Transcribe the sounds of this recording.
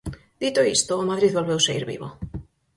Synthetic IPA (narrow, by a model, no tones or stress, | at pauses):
d̪̥it̪oḭst̪omaðɾiðβolβewsaḭɾβḭβo̰